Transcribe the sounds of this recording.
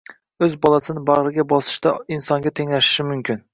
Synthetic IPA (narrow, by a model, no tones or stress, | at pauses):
ɵzbɒlˠasɪnɪbaʁɾɪɡʲabɒsɪ̥ʃt̪aɪnsɒŋɡʲat̪ʰe̞ŋlaʃɪ̥ʃɪmʊmkʲʰɪn